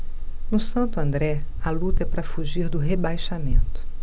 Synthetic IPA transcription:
nʊsɐ̃nt̪ʊɐ̃nd̪ɾɛɐlut̪ɐɛpɾɐfuʒiɾd̪ʊɦebajʃamẽnt̪ʊ̥

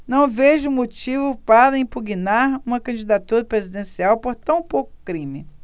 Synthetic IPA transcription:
nɐ̃w̃veʒʊũmot͡ʃivʊpaɾɐĩpuɡinaɾũmɐkɐ̃d͡ʒid̪at̪uɾɐpɾezid̪ẽsiawpoɾt̪ɐ̃w̃powkʊ̥kɾĩmɪ

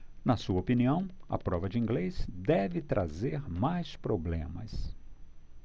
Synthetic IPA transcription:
nɐsuɐopiniɐ̃w̃ɐ̰pɾɔvɐd͡ʒɪĩŋɡlesd̪ɛvɪt̪ɾʔazeɾmajspɾoblḛ̃mɐs

